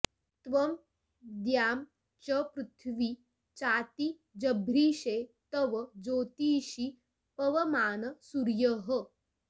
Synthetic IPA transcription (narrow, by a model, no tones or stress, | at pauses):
t̪ʋɐm | d̪jaːm | t͡ʃɐpɾut̪ʰʋi | t͡ʃaːt̪i | d͡ʒɐbʱɾiːɕeːt̪ɐʋɐd͡zoːt̪iːɕi | pɐʋɐmaːnɐsuɾjəɦə